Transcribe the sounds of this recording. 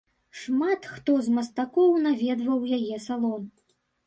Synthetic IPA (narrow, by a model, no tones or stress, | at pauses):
ʂmat̪xt̪ɔzmɐst̪akɔwnavʲɛd̪vɐwjajɛsalˠɔm